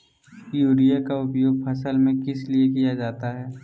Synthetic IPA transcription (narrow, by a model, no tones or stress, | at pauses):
juːɾijakaʊpjoːɡ̚pʰɐsəlmẽkɪsliekijad͡ʒaːt̪aɦɛː